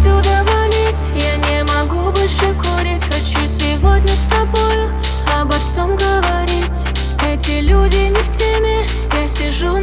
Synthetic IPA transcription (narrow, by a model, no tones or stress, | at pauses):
sʲʊd̪əvɐlʲitʲjanʲɪmɐɡubolʲʂɨkoɾʲɪtʲxɐt͡ɕusʲɪvo̞dʲnʲəst̪ɐbo̞jʊ | ɐbɐfsʲomɡəvɐɾʲitʲ | ɛtʲɪlʲudʲɪnʲɪftʲemʲɪ | jasʲɪʐu